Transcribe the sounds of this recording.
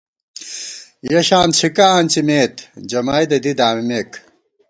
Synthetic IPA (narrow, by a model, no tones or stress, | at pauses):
jɐɕaːnt͡ɕʰikɐaːnt͡ɕimeːt̪d͡ʑɐmaːjd̪ɐd̪id̪aːmimeːk